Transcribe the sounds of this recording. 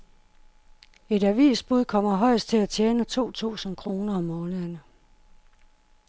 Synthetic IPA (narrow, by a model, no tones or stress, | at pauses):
e̝ɾæʋḭːsb̥uð̞̰ˠkʰɒ̽m̰ɐɦɒ̽ɪ̰sd̥̚t͡sʰe̝læt͡ɕʰjeːnət͡sʰo̝̰ːt͡sʰṵːsn̩kʰʁo̝ːnɐɒmːɔ̽ːnəɐnə